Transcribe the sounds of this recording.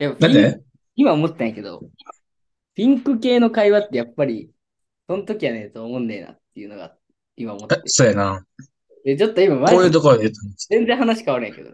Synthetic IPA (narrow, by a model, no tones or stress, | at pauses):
jad̪aie | imaomo̞t̪ːet̪ãŋke̞d̪o̰ | pʲĩŋkɯ̟ke̞ːno̞kaiβat̪ːe̞japːaɾʲi | so̞nt̪o̞kʲianet̪oːmõnd̪ejna̰t̪ːe̞jɯ̟no̞ɡa̰ | imaomot̪esoːjana | d̪et͡ɕo̞t̪ːoimamakoːjɯːt̪okod̪eet̪ːensẽ̞nd͡zẽ̞ɦanaɕi̥kaβaɾɯẽke̞̰d̪o̰